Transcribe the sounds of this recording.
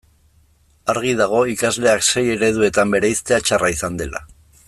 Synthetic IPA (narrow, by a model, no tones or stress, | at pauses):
aɾɣ̞iðaɣ̞o̞ikazle̞akse̞je̞ɾe̞ð̞ue̞t̪ambe̞ɾe̞ist̪e̞at͡ʃaraisand̪e̞la̰